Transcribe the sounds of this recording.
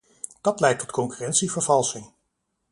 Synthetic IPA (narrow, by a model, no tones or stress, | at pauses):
d̥ɑtlɛjk̚tɔtkɔŋkyrɛntsivəɹvɑlˠsɪŋ